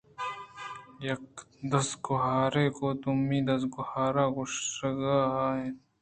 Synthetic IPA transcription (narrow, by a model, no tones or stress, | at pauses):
jɐk | d̪ɐsɡʊɦaːɾeːkoːt̪umːiːd̪ɐs̬ɡʊhaːɾaːɡʊʂɡaːe